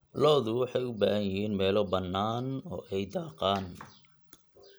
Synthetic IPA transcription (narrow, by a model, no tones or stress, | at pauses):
lɔːðʊwɑħɑjʊbaːhɐnjɪɦiːnmɛːlɔbɐnːaːnɔ̰ːʔɛjd̪ɑːqaːn